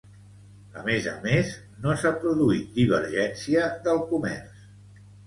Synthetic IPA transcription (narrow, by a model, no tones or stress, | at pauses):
ə̰mezə̰mez | nosapɾuðuit̪̚d̪iβ̞ə̰ɾʒɛnsiəðəlˠkumɛ̰rs